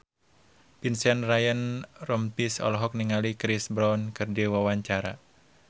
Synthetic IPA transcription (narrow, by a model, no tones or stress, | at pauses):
pinsanrajənrɔmt̪isɔ̰lɦɔk̚niŋalikɾisbɾɔnkɨrdiwawaɲt͡ʃaɾa̰